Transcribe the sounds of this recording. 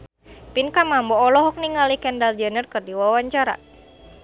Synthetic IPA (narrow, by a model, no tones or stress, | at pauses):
pinkamambɔːlɔɦɔk̚niŋalikɛndald͡ʒənərkərdiwawaɲt͡ʃaɾa̰